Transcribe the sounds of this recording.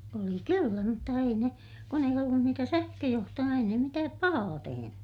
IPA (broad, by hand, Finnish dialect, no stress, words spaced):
oli kylːæ mutːɑ ei ne kun ei olːun niːtæ sæhkøjohtojɑ ei ne mitæːp pɑhɑː teheny